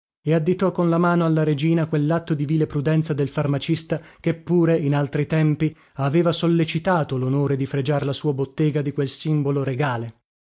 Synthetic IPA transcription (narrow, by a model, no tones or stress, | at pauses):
ead̪ːit̪ɔkːonlamaːnoalːaɾed͡ʒiːnakwelːat̪ːod̪iviːlepɾud̪ɛnt̪sad̪elfarmat͡ʃist̪akepːuːɾeinalt̪ɾit̪ɛmpi | aveːvasolːet͡ʃit̪aːt̪olonoːɾed̪ifɾed͡ʒaɾlasuːabot̪ːeːɡad̪ikwelsimboloɾeɡaːle